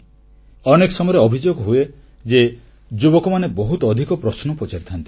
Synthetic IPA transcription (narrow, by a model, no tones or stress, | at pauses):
ɔnekɔsɔmɔjɔɾeɔbʱid͡ʒoɡɔɦue | d͡ʒe | d͡ʒubɔkɔmanebɔɦut̪ɔɔd̪ʱikɔpɾɔsnɔpɔt͡ʃaɾit̪ʰɔnt̪i̥